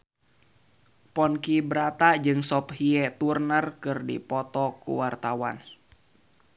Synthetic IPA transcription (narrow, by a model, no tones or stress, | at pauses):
pɔnkibəɾat̪ad͡ʒɨŋsɔphiɛt̪urnərkɨrdḭpɔt̪ɔkṵwart̪awa̰n